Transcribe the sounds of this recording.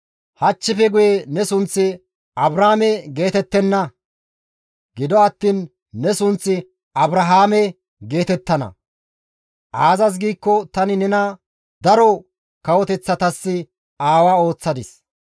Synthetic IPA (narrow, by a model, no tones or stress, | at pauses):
hɐt͡ʃːɪfɛɡʊjenɛsʊnt͡sːɪ | ɐbɾaːmɛɡe̞ːt̪ɛt̪ːɛnːɐ | ɡɪd̪ɔɐt̪ːiːnː | ɛsʊnt͡sːɪ | ɐbɾɐɦaːmɛ | ɡe̞ːt̪ɛt̪ːɐnɐ̰ | ʔaːzɐs̬ɡiːkːɔt̪ɐnɪnɛnɐ | d̪ɐɾɔ | kɐwɔt̪ɛt͡sːɐt̪ɐsːɪ | aːwaːo̞ːt͡sːɐd̪ɪs